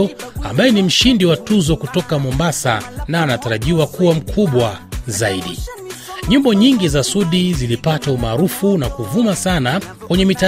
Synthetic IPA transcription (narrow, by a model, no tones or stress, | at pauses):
ɔa̰mbajɛnim̩ʃindiwatuzɔkutɔkamɔmbasa̰naːnataɾaʄiwakuwam̩kʰuɓwazaiɗḭ | ɲimbɔɲiŋɡizasuɗizilipataumaːɾufunakuvumasanakwɛɲɛmita